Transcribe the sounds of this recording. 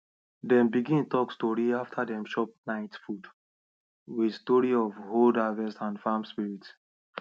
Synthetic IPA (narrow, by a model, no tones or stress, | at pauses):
dɛ̃mbiɡĩntɔkstɔɹiaftʰadɛ̃mʃɔp̚naɪtfud | wistɔɹiɔvholdavɛstãnfamspiɹits